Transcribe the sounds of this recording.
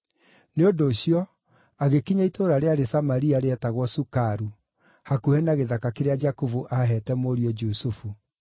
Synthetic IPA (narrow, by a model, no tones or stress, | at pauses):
neondoːɕijɔ | aɣekiɲaitoɾaɾeaɾesamaɾiaɾeɛtaɣwɔsukaɾu | hakuhɛnaɣeðakakeɾead͡ʒakovuʔaɦɛtɛmoɾiɔd͡ʒusufu